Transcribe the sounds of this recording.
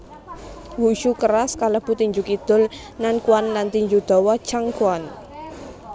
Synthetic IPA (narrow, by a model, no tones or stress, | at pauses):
wuʃukəɾaskaləb̥ut̪iɲd͡ʒukid̪̥ʊl | nankuanlant̪iɲd͡ʒud̪̥ɔ̤wɔ̥t͡ʃaŋkuan